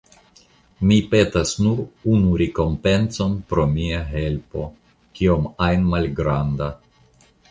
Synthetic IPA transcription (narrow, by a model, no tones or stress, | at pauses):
mipe̞tasnuɾunuɾeko̞mpe̞nso̞npɾo̞miaɦe̞lpo̞ | kio̞majnmalɡɾanda